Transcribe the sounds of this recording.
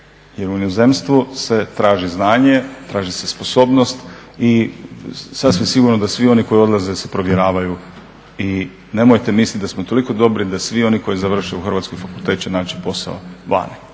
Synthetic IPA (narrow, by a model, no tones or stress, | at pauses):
jeɾunioze̞mst̪ʋuse̞t̪ɾaːʒiznaːɲe̞t̪ɾaːʒise̞spo̞so̞ːbno̞st̪i | sasʋimsiɡuɾnod̪asʋio̞niko̞jo̞d̪laze̞se̞pɾo̞ʋjeɾaːʋaju | i | ne̞mojt̪e̞mislʲit̪̚d̪asmot̪o̞liko̞d̪o̞bɾid̪asʋio̞niko̞jizaʋr̩ʃeuxr̩ʋat̪skojfakulˠt̪et̪̚t͡ʃenaːt͡ɕipo̞sa̰o̰ʋa̰ni